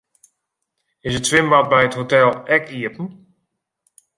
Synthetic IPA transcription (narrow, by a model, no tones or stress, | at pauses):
ɪsəttʋɪmat̚bɛjəthotɛlˠɛkiəpən̩